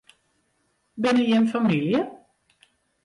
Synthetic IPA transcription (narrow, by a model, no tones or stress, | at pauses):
bɪnɪɛnfamiljə